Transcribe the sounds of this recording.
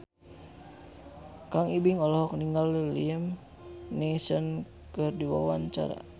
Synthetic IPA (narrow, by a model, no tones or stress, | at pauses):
kaŋibiŋɔlɔhɔk̚niŋɡalːəliəm | nisən | kɨrdiwa̰waɲt͡ʃa̰ɾa̰